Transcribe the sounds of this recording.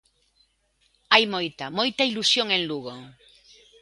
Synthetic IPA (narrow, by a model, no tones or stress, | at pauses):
ajmojt̪amojt̪ailusjoŋẽnluɣo